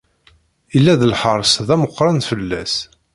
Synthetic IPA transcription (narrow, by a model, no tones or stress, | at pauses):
ilːæðəlħəɾˤsðæməqːɾˤɑnfəlːæs